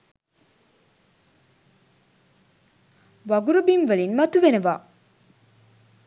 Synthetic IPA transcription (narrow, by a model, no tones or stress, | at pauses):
ʋɐɡuɾubinʋəlinmɐt̪uʋenəʋaː